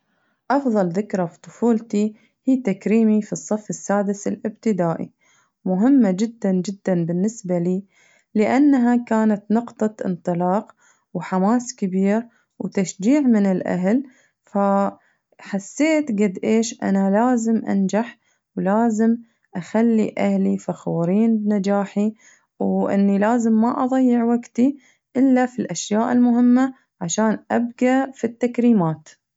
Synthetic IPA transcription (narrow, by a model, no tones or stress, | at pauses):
ʔɑfðˤɑlðɪkɾafit̪ˤʊfuːlt̪i | hiːt̪akɾiːmifisˤːɑfːɪsːaːd̪ɪsɪlʔɪbt̪ɪd̪aːʔḭ | mʊɦɪmːad͡ʒɪd̪ːand͡ʒɪd̪ːanbɪnːɪsbaliː | lɪʔanːɦakaːnat̪nɑqt̪ˤɑt̪ʔɪ̰nt̪ˤɨlɑːq | wħamaːskɪbiːɾ | wt̪aʃd͡ʒiːʕmɪnɪlʔa̰ɦl | fa | ħasːeːt̪ɡad̪ʔeːʃʔa̰nalaːzɪmʔa̰nd͡ʒaħ | wlaːzɪm | ʔaxalːḭʔahlifaxuːɾiːnbnad͡ʒaːħi | wʔɪ̰nːilaːzɪmːaʔɑðˤɑjːɪʕwaɡt̪i | ʔɪlːafilʔaʃjaːʔɪlmʊhɪmːa | ʕaʃaːnʔab̚ɡafit̪ːakɾiːmaːt̪